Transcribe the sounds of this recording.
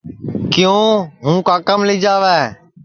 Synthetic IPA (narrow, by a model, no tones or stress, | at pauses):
kɪjõːɦũːkaːkəmlɪːd͡ʒaːʋɛː